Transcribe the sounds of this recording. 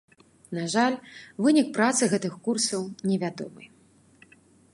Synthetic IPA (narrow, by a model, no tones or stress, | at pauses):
naʐalʲvɨnʲik̚pɾat̪sɨɣɛt̪ɨxkursɐwnʲɛvʲad̪ɔ̰mɨ̰